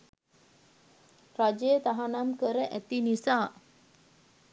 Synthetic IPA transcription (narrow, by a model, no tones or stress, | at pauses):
ɾad͡ʒet̪aɦanamkəɾəʔɛt̪inisa